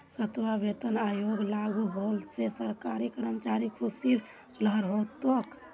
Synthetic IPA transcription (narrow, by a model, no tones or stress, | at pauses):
sət̪ʋaʋet̪ənajoɡlaɡuɦolsesəɦkaɾikəɾəmət͡ʃaɾikʰusiɾ | ləɦəɾɦot̪ok